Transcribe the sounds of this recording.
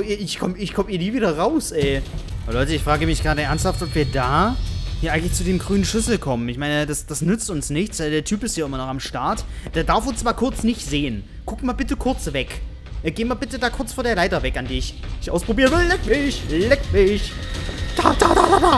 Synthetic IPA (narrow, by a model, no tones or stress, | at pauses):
oiːɐʔɪçkʰɔməɪçkʰɔməiːɐniːviːdɐʁaʊsʔɛːʔabɐlɔʏtəɪçfʁ̥aːɡəmɪçɡ̥ʁaːɾəʔɛɐnsthaftʔɔpv̥iːɐdaːhiːɐʔaɪŋtlɪçt͡sudeːmɡʁyːnənʃʏsl̩kʰɔmənɪçmaɪnəd̥asd̥asnʏt͡stʊnsnɪçt͡sv̥aɪldeːɐtʰyːpɪstjaːɪmɐnɔχamʃtaɐtd̥aːɐdaɐfʊnst͡sv̥aːɐkʰʊɐt͡snɪçtz̥eːən | ɡ̥ʊkmaːlbɪtəkʰʊɐt͡sv̥ɛk | ʔɛɡeːmaːlbɪtədaːkʰʊɐt͡sfoːdeːɐlaɪtɐvɛkandeɪɪçɪçʔa̰ʊspʁ̥obiːʁənvɪllɛkmɪçlɛkmɪçd̥aːdaːdadaːdaː